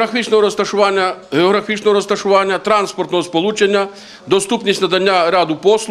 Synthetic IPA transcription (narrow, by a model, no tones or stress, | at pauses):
ɾɐfʲit͡ʃnɔɦɔɾɐst̪ɐʃʊʋanʲːɐɦeɔɣɾɐfʲit͡ʃnɔɦɔɾɐst̪ɐʂʊʋanʲːɐt̪ɾanspɔrt̪nɔɦɔspɔlˠut͡ʃenʲːɐ | d̪ɔst̪upnʲisʲnɐd̪ɐnʲːaɾad̪ʊpɔslˠ